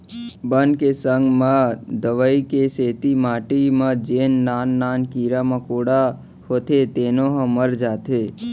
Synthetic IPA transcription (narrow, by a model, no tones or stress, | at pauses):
bənkesəŋɡmãd̪əʋəikeseːt̪imaːʈimãd͡ʒeːnːaːnːaːnkiːɾamãkoːɽa | hot̪ʰet̪eːnoɦə̃məɾd͡ʒaːt̪ʰe